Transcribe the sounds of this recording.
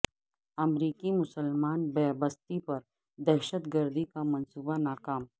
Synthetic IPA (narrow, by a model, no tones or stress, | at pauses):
ɐmɾiːkimʊsəlmaːnbɛːbəst̪ipɐɾ | d̪ɛɦʃət̪ɡəɾd̪ikamɐnsuːbanaːkaːm